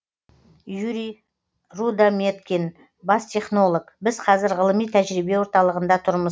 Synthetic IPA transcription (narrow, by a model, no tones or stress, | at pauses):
juɾi | rud̪amet̪kʲin | bast̪ʲʰe̞χno̞lˠokbɪzqʰɑzɪɾʁəlˠəmijt̪ʰæʒɾibe̞wo̞ɾt̪ɑlˠəʁənd̪ɑt̪ʰʊɾmə